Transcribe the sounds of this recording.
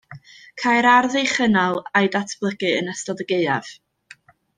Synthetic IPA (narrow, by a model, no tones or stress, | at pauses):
kʰajɾarðejχənalˠajdatʰb̥lˠəɡɨənəstɔðəɡeɨa̰v̥